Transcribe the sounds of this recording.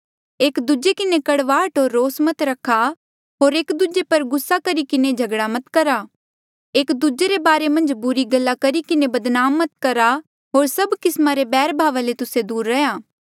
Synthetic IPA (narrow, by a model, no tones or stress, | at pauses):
eːkd̪ud͡ʒekɪnekɐɽʋaːʈɦoːɾːoːsmɐt̪ɾɐkʰːa | ɦoːɾeːkd̪ud͡ʒepɐɾɡʊsːakɐɾikɪned͡ʒʱɐɡɽamɐt̪kɐɾa | eːkd̪ud͡ʒeɾebaːɾemɐ̃nd͡ʒbʊɾiɡɐlːakɐɾikɪnebɐd̪naːmːɐt̪kɐɾa | ɦoːɾsɐbkɪsmaɾebɛːɾbʱaːʋalet̪ʊsed̪uːɾːɐjaː